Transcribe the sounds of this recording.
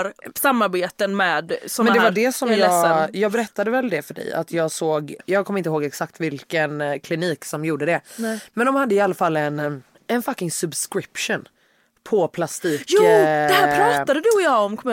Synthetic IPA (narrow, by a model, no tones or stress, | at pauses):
ɾsamːaɾbeːt̪ənmɛːd̪sɔmɛnd̪ɛvaɖɛsɔmjɑːɡajɑːɡbɛɾɛt̪ːad̪əvɛld̪ɛfœɖɛ̰ja̰t̪ʰjɑːɡsoːɡjɑːɡ̚kʰɔmːɪnt̪əɦoːɡɛksak̚t̪vɪlkənkʰlɪniːksɔmjuːɖəd̪ɛmɛnd̪ɔmhad̪ːəɪalːafalːɛn | ɛnfakːɪŋsɵbskɾɪpʂʊn | pʰɔpʰlast̪iːkjuːɛhæːpʰɾɑːt̪ad̪əd̪ɵɔjɑːɔmkʰɔm